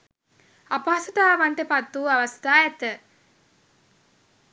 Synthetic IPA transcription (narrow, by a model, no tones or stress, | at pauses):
ɐpaːsɐt̪aːʋɐɳʈepɐt̪ːuːɐʋɐst̪ʰaːjɐt̪ə